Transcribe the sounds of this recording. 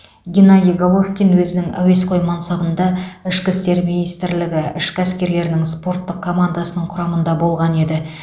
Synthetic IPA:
ɡʲinad̪ʲijɡolˠofkʲinwɵzɪnɪŋæ̰we̞sqʰo̞jmɑnsɑbənd̪ɑɪʃkʲɪst̪e̞ɾminijst̪ɪɾlɪɡʲɪɪʃkʲɪæskʲe̞ɾle̞ɾɪnɪŋspo̞ɾt̪ːəq̚kʰo̞mand̪ɑsənəɴqʰʊɾɑmənd̪ɑbo̞lˠʁɑne̞d̪ɪ

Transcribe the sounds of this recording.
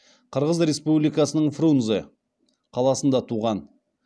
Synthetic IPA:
qʰəɾʁəzɾʲe̞spublijkɑsənəɴfrunzə | qʰɑlˠɑsənd̪ɑt̪ʰuʁɑn

